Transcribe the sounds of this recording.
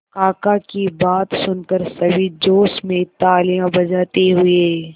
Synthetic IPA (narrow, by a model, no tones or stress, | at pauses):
kaːkakibaːt̪sʊnkəɾsɐbʱid͡ʒoːsmẽt̪aːlijãbɐd͡ʒaːt̪eɦʊeː